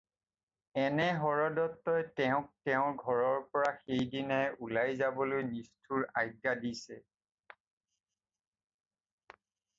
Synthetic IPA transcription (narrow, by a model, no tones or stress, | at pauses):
ɛnɛɦɔɹɔdɔtːɔjtɛʊ̃k̚tɛʊ̃ɡʱɔɹɔɹpɔɹaxejdinaʔulajzabɔlojnistʰuɹajɡadisɛ